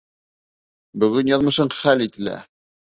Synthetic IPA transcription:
bɵ̆ɡɵnjɑðmɤ̆ʃɤɴχælit̪ɘ̆læ̰

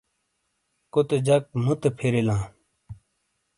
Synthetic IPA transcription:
kot̪ed͡ʑɐk̚mũt̪epʰeɾilãː

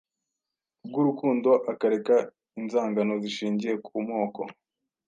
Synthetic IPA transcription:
b̚ɡuɾukuːndo̞ʔakaɾe̞ka | inzaːŋɡano̞ziʃiːɲɟije̞kʰumŋo̞ːko̞̰

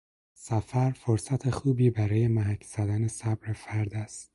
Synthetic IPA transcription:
sæfæɾfoɾsæt̪ʰexuːbiːbæɾɒːje̞mæɦæcʰz̥æd̪æne̞sæbɾefæɾd̪æst̪̚

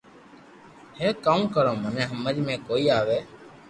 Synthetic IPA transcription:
hẽːkaːũːkəɾõːmənẽːɦəməd͡ʒmẽːkoːiːaːʋeː

